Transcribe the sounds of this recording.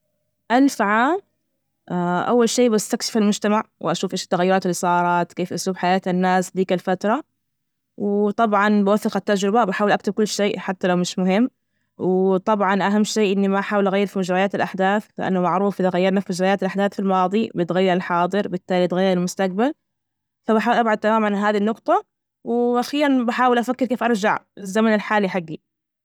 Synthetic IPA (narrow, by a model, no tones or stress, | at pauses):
ʔalfʕaːm | aʔa̰wːalʃeːbast̪akʃɪ̥falmʊd͡ʒt̪amaʕwɪʔaʃuːfʔeːʃt̪ːaɣajːʊɾˤɑːt̪ɪlsˤɑɾˤɑːt̪keːfʔasuːbħajaːt̪anːaːsd̪iːkalfat̪ɾˤɑ | wɪt̪ˤɑbʕɑnbɪwafːɪqat̪ːad͡ʒɾɪbabɪħaːwɪlʔak̚t̪ɪb̚kʊlːʃeːħat̪ːalawmɪʃmʊɦɪmː | wɪt̪ˤɑbʕɑnʔaɦamːʃeːʔɪnːimaʔħaːwɪlʔaɣajːɪɾfimʊd͡ʒɾˤɑjaːt̪alʔaħd̪aːθlɪʔa̰nːʊmaʕɾuːfʔɪðaɣajːɑɾˤnafimʊd͡ʒɾɑʔjaːt̪alʔaħd̪aːθfilmɑːd̪ˤibɪt̪ɣajːɑɾɪlħɑːd̪ˤɨɾbɪt̪ːaːlit̪ɣajːɪɾɪlmʊst̪ak̚bal | fabaħaːwɪlʔabʕad̪̚t̪ːamaːmʕanɦaːðinːʊqt̪ˤɑ | wɪʔaxiːɾanbaħaːwɪlʔafakːɪɾkeːfʔɑɾˤd͡ʒaʕɪzːamanɪlħaːliħaɡːi